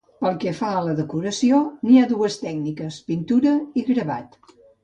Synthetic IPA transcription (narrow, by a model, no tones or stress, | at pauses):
pəlˠkɛfaələðəkuɾəsioniaðuəst̪ɛɡ̚nikəspint̪uɾəiɣɾəβat̪